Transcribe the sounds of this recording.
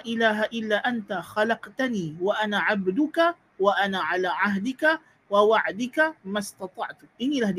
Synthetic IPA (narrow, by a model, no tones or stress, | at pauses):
ʔɪlaːɦaʔɪlːaːʔant̪axɑlɑqt̪aniːwaʔanaːʕabd̪ʊka | waʔanaːʕalaːʕaɦd̪ɪka | wawaʕd̪ɪkamast̪ɑt̪ˤɑʕt̪ʔɪnːiːlahd̪